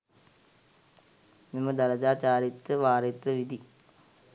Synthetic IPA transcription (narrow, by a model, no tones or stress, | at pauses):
nimːɐd̪ɐlɐd͡ʑaːt͡ɕaːɾit̪ːɨʋaːrit̪ːɨʋid̪ʱi